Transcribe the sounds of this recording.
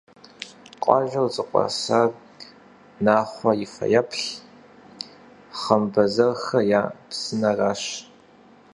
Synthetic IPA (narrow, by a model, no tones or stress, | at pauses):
qʷʼɑ̰ʒʷɐwzʼɨqʷʼɑ̰sar | naːχʷɐjɪfɐ̰jɐpʰɬ | χɐmbɐzɐrxɐjaːpsɨnɐraːɕ